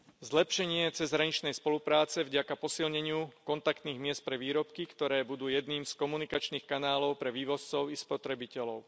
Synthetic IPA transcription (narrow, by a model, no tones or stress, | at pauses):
zlɛpʃɛɲɪɛt͡sɛzɦɾaɲit͡ʃnɛjspɔlupɾaːt͡sɛvɟakapɔsilɲɛɲɪukɔnt̪akt̪niːɣmɪɛst̪̚pɾɛʋiːɾɔpkikt̪ɔɾɛːbud̪uːjɛd̪niːmskɔmunikat͡ʃniːxkanaːlɔʊpɾɛʋiːʋɔst͡sɔʊispɔt̪ɾɛbicɛlɔʊ